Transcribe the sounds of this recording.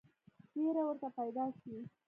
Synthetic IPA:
ʈeɾawəɾt̪apajd̪ɑʃi

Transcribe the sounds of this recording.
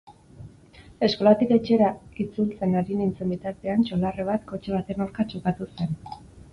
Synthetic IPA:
e̞sko̞lat̪ike̞t͡ʃe̞ɾait͡sult͡se̞naɾinint͡se̞mbit̪aɾt̪e̞ant͡ʃo̞lareβ̞at̪ko̞t͡ʃeβ̞at̪enawɾkat͡ʃokat̪use̞n

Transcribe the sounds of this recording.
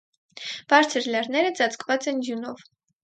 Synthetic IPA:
b̥ɑɾt͡sʰəɾlɑɾnɛɾəd͡zɑt͡sʰkvɑt͡sɛndjunɔv

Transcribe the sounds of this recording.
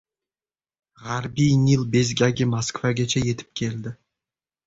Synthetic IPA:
ʁaɾbijnilˠbe̞zɡʲaɡʲemaskvaɡʲet͡ʃʰaje̞t̪ʰɪ̥p̚kʲʰe̞ld̪ɪ

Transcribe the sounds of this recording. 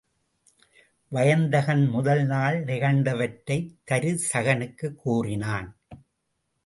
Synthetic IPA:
ʋɐjɐnd̪ɐɣɐnmʊðɐlnaːlnɪɣɐnd̪ɐʋɐʈːɐɪt̪ːɐɾɯsɐɣɐnɯkːɯkːuːrɪnaːn

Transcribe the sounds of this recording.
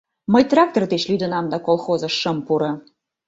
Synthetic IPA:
məjt̪rɑk̚t̪ort̪et͡ɕlyd̪ə̆nɑmd̪ɑkolˠxozə̆ʃːəmpuɾɤ̆

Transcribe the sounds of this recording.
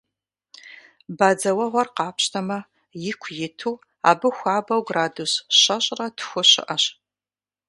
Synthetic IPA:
baːd͡zɐwɐʁʷɔrqɑːpɕtʰɐmɐ | jɪkʷʰjɪtʰuː | a̰ːbɨxʷɑːbɐwɡraːdusɕɐɕʼrɐtʰxʷʊɕɪ̰ʔɐɕ

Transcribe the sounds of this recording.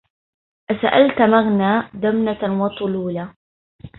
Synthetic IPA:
ʔasaʔalt̪maɣnaːd̪amnawɑt̪ˤːʊluːla

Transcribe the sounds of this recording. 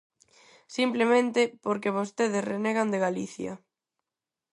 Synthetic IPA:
simplemẽnt̪ɪpoɾkeβost̪eðɪsreneɣand̪eɣaliθjɐ̰

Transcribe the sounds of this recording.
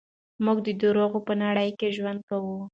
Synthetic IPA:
muɡd̪əd̪oɾoɣopənaɽəjkeʒwand̪̚kawu

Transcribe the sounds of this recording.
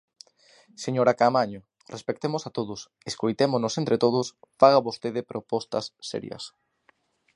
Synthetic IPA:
seɲoɾakamaɲo | respek̚t̪emʊsat̪oðʊs | eskojt̪emonosent̪ɾet̪oð̞ʊsfaɣ̞aβost̪eðepɾopɔst̪ɐsːɛ̰ɾj̰ɐ̰s

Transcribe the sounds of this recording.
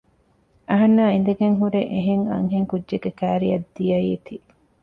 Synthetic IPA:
ɐɦɐnːaːin̆d̪eɡeŋɦuɾeʔeɦeŋɐ̰ŋɦeŋkudːʒeɡekæːɾijɐd̪ːijɐiːt̪i

